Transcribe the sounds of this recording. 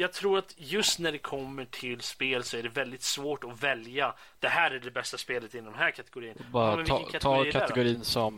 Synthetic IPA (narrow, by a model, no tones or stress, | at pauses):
jɑːɡ̚t̪ʰɾuːɾat̪jɵst̪næɖɛkʰɔmːəʈʰɪlspeːlsɔæɖɛvɛld̪ɪt̪svoːʈɔvɛlja | d̪̥ɛhæːɾæɖɛbɛst̪aspeːlət̪ɪnːɔmɦæːɾkʰat̪ɛɡʊɾiːənbɑːɾmɛvəkʰat̪ʰɑɡːɾːkʰaɛɡʊɾiːnsɔm